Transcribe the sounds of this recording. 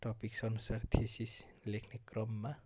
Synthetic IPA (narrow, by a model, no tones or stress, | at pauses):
ʈɔpiksʌnusart̪ʰisislekʰnekrʌmːa